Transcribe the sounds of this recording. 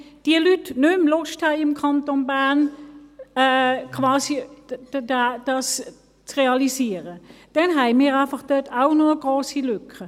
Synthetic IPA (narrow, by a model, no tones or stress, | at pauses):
d̥iəlytnʉmlɔʃthæɪɪmkʰɑntonbæn | ɛkʰvɑːsidad̥ɑs | t͡sʁeɑlisiːəʁəd̥ɛnɦæɪmiːʁaɪfɑχd̥œtʰaʊnɔəɡ̥ʁoːsilʏkʰə